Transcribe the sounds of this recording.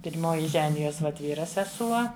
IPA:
pʲɪrʲˈmoːjɪ ˈʒʲæːnʲɪjoːs ʋɐt ˈʋʲiːrɐ sʲɛˈsuɔ

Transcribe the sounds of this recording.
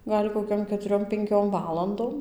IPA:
ˈɡɐlʲ koːˈkʲoːm kʲɛtʊˈrʲoːm pʲɛŋʲˈkʲoːm ˈʋɑːlˠɐndoːm

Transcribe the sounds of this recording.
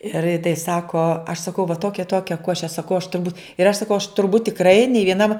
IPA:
ɪr jɪ tɐɪ ˈsɑːkoː ɐʃ sɐˈkɐʊ ʋɐ ˈtoːkʲɛ ɪ ˈtoːkʲɛ ˈkoːʃʲɛ sɐˈkɐʊ ɐʃ tʊrˈbuːt ɪr ɐʃ sɐˈkɐʊ ɐʃ tʊrˈbuːt tʲɪkˈrɐɪ nʲɛɪ ʋʲiɛˈnɐm

